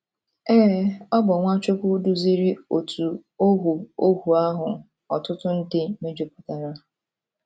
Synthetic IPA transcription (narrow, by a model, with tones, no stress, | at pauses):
ɛː˦ɔ˦bɔ˨ŋʷa˦t͡ʃe˦kʷu˦du˦zi˦ɾi˦o˨tʰu˨o˦ɦu˨o˦ɦu˨a˦ɦʊ˨ | ɔ˨tʊ˦tʊ˦n̩˦dɪ˦me˦d͡ʒo˨pʊ̥˨ta˨ɾa˦